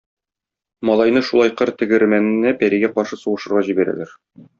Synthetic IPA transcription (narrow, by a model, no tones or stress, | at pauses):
mɒlˠɑjnɤʃulˠɑjqɤɾt̪ɘ̆ɡɘ̆ɾmænɘ̆næpæɾiɡæqɒɾʃɤsuʁɤ̆ʃɤ̆ɾʁɑʑibæɾæ̰læɾ